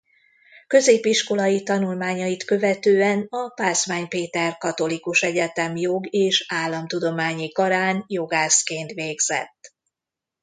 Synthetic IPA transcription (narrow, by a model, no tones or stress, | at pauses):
kø̞zeːpiʃko̞lɒjit̪ɒnulmaːɲɒjit̪kø̞vɛt̪øːɛnɒpaːsʋaːɲpeːt̪ɛrkɒt̪o̞likuʃɛɟɛt̪ɛmjoɡeːʃaːlːɒmt̪ud̪o̞maːɲikɒɾaːnjo̞ɡaːskeːnt̪ʋeːɡz̥ɛ̰t̪ː